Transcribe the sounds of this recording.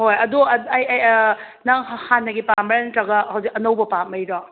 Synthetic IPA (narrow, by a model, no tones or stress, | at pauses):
hojɐduɐɐjj | naŋhanːɐɡipamɐɾantɾɐɡɐhɐwzik̚ɐnɐwbɐpamɐjɾɔ